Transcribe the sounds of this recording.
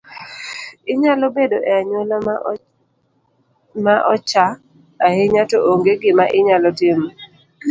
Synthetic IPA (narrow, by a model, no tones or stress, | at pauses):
ɪɲalɔbedoʔɛaɲwola | maʔɔt͡ʃaː | heɲatɔʔoŋɡeɡɪmaʔɪɲalɔtɪm